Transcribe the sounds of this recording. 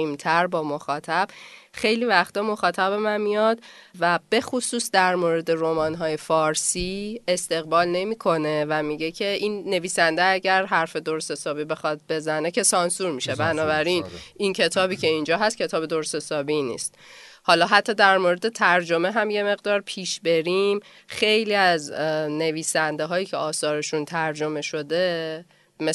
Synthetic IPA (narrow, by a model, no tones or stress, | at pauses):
imt̪ʰæɾbɒːmo̞xɒːt̪ʰæb̥xe̞jliːvæxt̪ɒmo̞xɒːt̪ʰæbemænmijɒd̪væb̥e̞xosuːsd̪æɾmoɾe̞d̪e̞ɾomɒːnɦɒːje̞fɒːɾsiːest̪e̞ɣbɒːlne̞miːkʰo̞ne̞væmiɟecʰe̞ʔinːe̞viːsænd̪eæɟæɾɦæɾfe̞d̪oɾse̞sɒːbibe̞xɒt̪̚be̞zæne̞cʰe̞sɒnsuɾmiʃebænɒːbæɾinincʰe̞t̪ʰɒːbiːcʰe̞ind͡ʒɒːɦæst̪̚cʰe̞t̪ʰɒːbe̞d̪oɾse̞sɒːbinḭːst̪̚hɒːlɒɦæt̪ʰːɒːd̪æɾmoɾe̞d̪e̞t̪ʰæɾd͡ʒo̞me̞ɦæmje̞me̞ɣd̪ɒːɾpʰiːʃbe̞ɾim | xe̞jliːæzne̞viːsænd̪e̞ɦɒːjiːcʰe̞ɒːsɒːɾe̞ʃunt̪ʰæɾd͡ʒo̞me̞ʃo̞d̪e̞ | me